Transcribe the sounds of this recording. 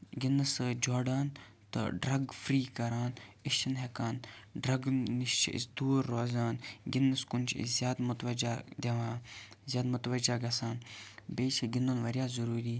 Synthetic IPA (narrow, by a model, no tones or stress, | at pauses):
ɡinɐsd͡ʒoːɾɖaːn | t̪ɨ̰ɖɾɐɡfɾiːkɐɾaːnɪʃt͡ʃɐnɦekaːnɖɾɐɡniʃt͡ʃʰʔḭsd̪uːɾːoːzaːnɡɪnːɐskʊnʲt͡ʃʰḭzʲjaːd̪mʊt̪ʋɐd͡ʒad̪ʲeʋãːzʲjaːd̪mʊt̪ʋɐd͡ʒaːɡɐsaːnbeːt͡ʃʰiɡinoːnʋɐɾjaːzɐɾuːɾiː